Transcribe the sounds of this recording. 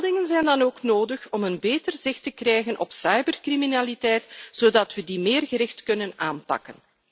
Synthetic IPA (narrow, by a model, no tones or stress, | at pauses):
lˠdɪŋənzɛjndɑnoːknoːdəxɔmənbeːtərzɪxtəkrɛjɣənʔɔ̰psɑjbərkriminaːlitɛjtz̥oːdɑtʋədimeːrɣəɾɪxtkɵnənaːnpɑ̰kən